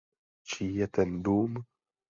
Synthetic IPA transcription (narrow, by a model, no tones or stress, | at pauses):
t͡ʃijɛt̪ɛnd̪uːm